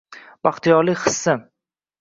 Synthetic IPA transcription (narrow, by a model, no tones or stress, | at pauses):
b̥aχt̪ʰɪjɒɾlɪkʲχɨ̥sːɪ